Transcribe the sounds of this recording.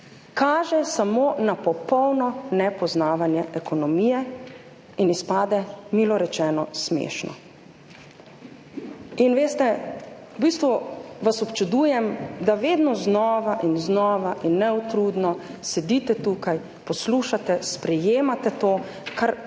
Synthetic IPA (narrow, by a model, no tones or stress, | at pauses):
kaːʒɛsamoːnapɔpɔwnɔnɛpɔznaːʋanjɛʔɛkɔnɔmiːjɛ | inispaːd̪ɛmiːlɔɾɛt͡ʃɛːnɔsmḛːʃnɔ̰ | inʋeːst̪ɛ | ubist̪ʋuʋasɔpt͡ʃud̪uːjɛmd̪aʋeːd̪nɔznɔːʋaʔinznɔːʋaʔinːɛut̪ɾud̪nɔ | sɛd̪it̪ɛt̪uːkaj | pɔsluːʃat̪ɛspɾɛjeːmat̪ɛt̪oː | kaɾ